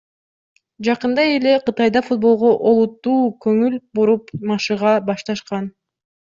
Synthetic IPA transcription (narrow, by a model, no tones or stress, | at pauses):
d͡ʒɑqɯnd̪ɑe̞le̞qɯt̪ɑjd̪ɑfut̪̚bo̞lˠʁo̞ʔolˠut̪ːuːkɵŋylbuɾupmɑʃɯʁɑbɑʃt̪ɑʃqɑn